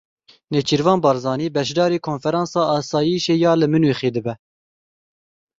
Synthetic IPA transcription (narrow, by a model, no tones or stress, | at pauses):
net͡ʃʰiɾvɑːnbɑːɾzɑːniːbɛʃ̬d̪ɑːɾiːkʰonfɛɾɑːnsɑːɑːsɑːjiʃeːjɑːlɨmɨnwiːχeːd̪ɨbɛ